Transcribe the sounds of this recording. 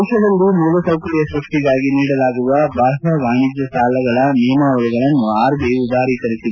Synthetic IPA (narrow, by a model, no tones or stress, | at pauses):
ʂɐd̪ɐlːumuːlɐsɐwkɐɾijɐsɾɐʂʈiɡaːɡiniːɽɐlaːɡuʋɐbʱɐːɾɦɐɡaːɳid͡ʒjɐsaːlɐɡɐɭɐniːmaːʋɐluɡɐɭɐnːuaːɾbiud̪aːɾikɐɾisiu